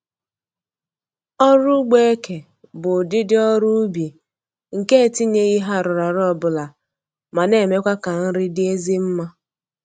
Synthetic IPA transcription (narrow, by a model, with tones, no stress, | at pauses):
ɔ˦ɾʊ˦ɡ͡be˦e˦ke˨ | bʊ˨dɪ˦dɪ˦ɔ˦ɾʊ˦bje˨ | ŋ̩˨ke˦e˨ti˦ɲe˦i˦ɦa˦ɾʊ˨ɾa˨ɾɔ˦bʊ˨la˨ | ma˨ne˨me˦kʷa˦ka˨n̩˦ɾɪ˦dɪ˦e˦zi˦m̩˦ma˦